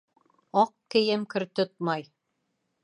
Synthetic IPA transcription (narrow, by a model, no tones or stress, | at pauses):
ɑqkɘ̆jɘmkɵ̆ɾt̪ot̪̚mɑj